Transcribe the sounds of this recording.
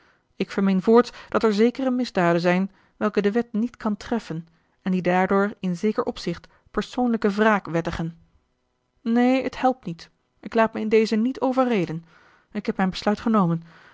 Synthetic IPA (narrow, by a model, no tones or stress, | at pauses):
ɪkfəɹmɪnvʊːɹtd̥ɑtɛɹzejkərəmɪzdaːdənzɛjn | ʋɛlˠkədəʋɛtnitkɑntrɛfən | ɛndidaːɹdʊːɹɪnzejkəɹʔɔpsɪχt | pəɹsownləkəvraːkʋɛtəχən | nejəthɛlˠp̚tnit | ʔɪklaːt̚məɪndejzənitowvəɹrejdən | ɪkɦɛpmɛjnbəslœɥtχənowmən